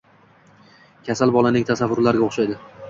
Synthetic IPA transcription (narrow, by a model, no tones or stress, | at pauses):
kʲʰasalˠbɒlˠanɪŋt̪ʰasavːʊɾlaɾɡʲaoχʃajd̪ɪ